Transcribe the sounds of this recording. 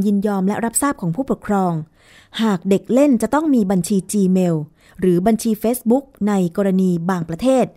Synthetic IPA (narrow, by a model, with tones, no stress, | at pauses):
jɯ˧njɔː˧mlɛ˦˥ʔɾa˦˥p̚saː˥˩p̚kʰɔː˩˦ŋpʰuː˥˩puː˨˩t̪̚kʰɾɔː˧ŋ | haː˨˩k̚de˨˩k̚le˥˩nt͡ɕa˨˩t̪ɔ˥˩ŋmiː˧ba˧nt͡ɕʰiː˧t͡ɕiː˧meː˧w | ɾɯː˩˦ba˧nt͡ɕʰiː˧feː˦˥sbu˦˥k̚na˧jkɔː˧ɾa˧niː˧baː˧ŋpɾa˧t̪ʰeː˥˩t̪̚